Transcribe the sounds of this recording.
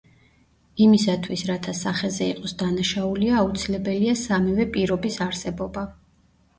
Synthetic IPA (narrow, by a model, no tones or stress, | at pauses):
imisat̪ʰwisɾat̪ʰasaχɛzɛiqʼɔsd̪anaʃauliaːut̪sʰilɛbɛliasamɛvɛpʼiɾɔbisaɾsɛbɔba